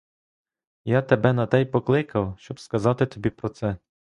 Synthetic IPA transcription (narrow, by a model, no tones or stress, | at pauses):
jat̪ebɛnɐt̪ɛjpɔklˠɪkɐwʃt͡ʃɔbskɐzɑt̪ɪt̪ɔbʲipɾɔt̪sɛ